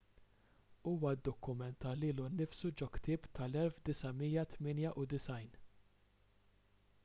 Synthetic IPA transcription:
uːwɐd̪ːɔkːʊmɛnt̪ːɐliːlunɪfsud͡ʒɔkt̪ɪːpt̪ʰɐlɛlfd̪ɪsɐmiːjɐt̪mɪːnjɐʔʊd̪ɪsɐjn

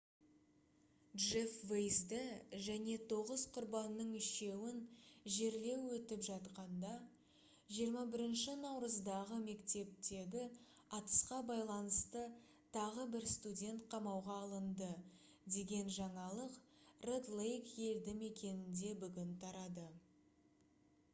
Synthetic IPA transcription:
ʒefvejzd̪ɪʒæne̞t̪ʰo̞ʁəzqʰʊɾbɑnːəɴʏʃe̞wɪnʒe̞ɾle̞wːɵt̪ɪpʒɑt̪qɑnd̪ɑ | ʒijəɾmɑbɪɾɪnʃɪnɑwɾəzd̪ɑʁəme̞kt̪e̞p̚t̪e̞ɡ̪ʲɪ | ɑt̪ə̥sqɑbɑjlˠɑnəst̪ə | t̪ʰɑʁəbɪɾst̪udʲe̞nt̪̚qʰɑmɑwʁɑːlˠənd̪ə | d̪e̞ɡʲe̞nʒɑɴɑlˠəqred̪lˠejkje̞ld̪ɪme̞kʲe̞nɪnd̪e̞bʏɡʲɪnt̪ʰɑɾɑd̪ə

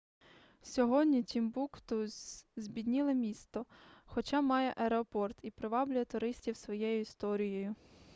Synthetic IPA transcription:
sʲɔɦɔdʲnʲitʲimbukt̪ʊzʲbʲid̪ʲnʲɪlˠɪmʲist̪ɔxɔt͡ʃɑmɑjɛʔɐɾeɔpɔrt̪ipɾeʋɑblʲʊjɛt̪ʊɾɪsʲtʲiwsʋɔjɛjʊist̪ɔɾʲijɔjʊ

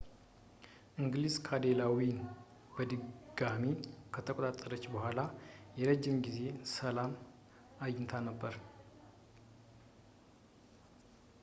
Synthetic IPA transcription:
ʔɨŋɡlizkʰad̪elawin | b̥əd̪ɨɡamikʰət̪ʰəkʼot̪ʼat̪ʼːəɾət͡ʃːbəhʷalajɛɾəd͡ʒːɪmɡize̞səlam | ajɪnt̪ʰanəbːəɾ

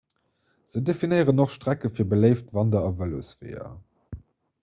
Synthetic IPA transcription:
z̥ədefinəɪʁənoχʃtʁ̥ækəfiːɐbələɪftvɑndɐɑvəlo̰sv̥ḛːɐ̰

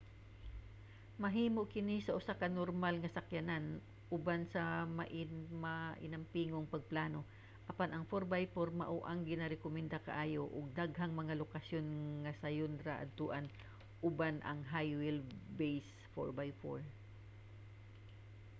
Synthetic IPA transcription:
mɐɦiːmoʔkɪnisɐʔʊsakɐnoɾmalŋɐsɐkjɐnan | ʔʊbansɐmɐʔɪmɐʔɪ̰nɐmpiːŋoŋpɐɡ̚plaːno̞ | ʔɐpanʔɐŋfoɾbajfoɾmɐ̰ʔoʔaŋɡɪnɐɾɛkomɛnd̪akɐʔaːjoʔʊɡ̚d̪aɡɦɐŋmɐŋalokɐsjo̞nŋɐsɐjond̪ɾaʔɐ̰d̪̚t̪ʊʔan | ʔʊbanʔɐ̰ŋɦajwɪlbejs | foɹbajfo̰ɹ

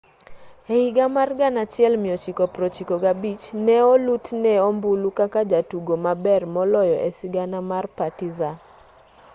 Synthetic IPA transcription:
ɛiɡamarɡanat͡ʃjɛlmɪjɔt͡ʃikɔpɾot͡ʃikoɡabit͡ʃnɛɔlutnɛɔmbulukakad͡ʒatuɡomabɛrmɔlɔjɔʔɛsɪɡanamarpatiza

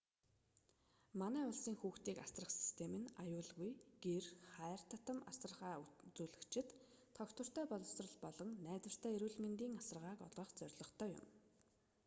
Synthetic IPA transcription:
manæːʊɮsiːŋxuːxt̪iːkasrə̆χsi̥st̪ʰemɘ̆najʊːɮɣujɡ̥erχæːr̥t̪ʰat̪ə̆ma̰sə̆ʁaːt͡suːɮɘ̆kt͡ɕʰɪ̆t̪ʰː | ɔkt̪wə̆r̥t̪æːpɔɮɞ̆w̥srə̆ɮpɔɮɞ̆ŋnæːt͡swə̆r̥t̪ʰæːeɾuːɮment̪iːŋasə̆rʁaːkɔ̰ɮʁɞ̆χt͡sœrʲɮɞ̆χt̪ʰœːjʊ̰m

